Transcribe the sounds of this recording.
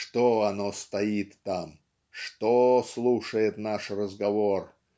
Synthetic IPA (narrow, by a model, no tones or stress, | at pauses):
ʂt̪oɐnost̪ɐit̪ːam | ʂt̪oslˠuʂəjɪt̪naʂrəzɡɐvor